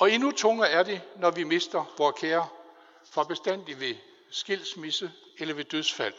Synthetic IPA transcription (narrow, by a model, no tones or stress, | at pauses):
ɒ̽e̝nut͡sʰɔ̽ŋɐæɐd̥e̝nɒʋime̝sd̥ɐʋɒːkʰeːɐ | fʁɑ̈b̥e̝sd̥æn̰d̥iʋe̝ | sɡ̥e̝l̰smisə | elɐʋe̝d̥øðˠfæl̰